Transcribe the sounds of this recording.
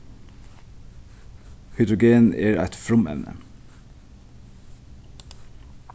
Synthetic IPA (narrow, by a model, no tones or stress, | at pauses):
hʏd̪ɾʊɡeːneːɹæ̰ɪt̪fɹʊmɛ̰ʋnʔə̰